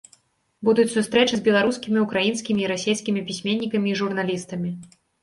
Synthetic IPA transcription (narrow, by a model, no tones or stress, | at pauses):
bud̪ut͡sʲsust̪ɾɛt͡ʂɨzʲbʲɛlˠaɾuskʲimʲiukɾajinskʲimʲiːɾasʲejskʲimʲipʲisʲmʲenʲːikɐmʲiːʐurnalʲist̪ɐmʲi